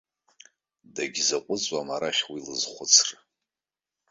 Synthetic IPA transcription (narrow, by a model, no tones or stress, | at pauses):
daɡʲzaqʷʼʊt͡sʷʼamaɾaχʲwilɨzχʷʊt͡sʰrɨ